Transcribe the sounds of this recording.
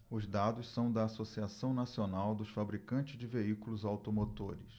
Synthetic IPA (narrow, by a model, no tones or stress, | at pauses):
ʊzd̪ad̪ʊssɐ̃w̃d̪ɐːsosiasɐ̃w̃nasionawd̪ʊsfabɾikɐ̃nt͡ʃɪzd͡ʒɪveikulʊzawt̪omot̪oɾɪs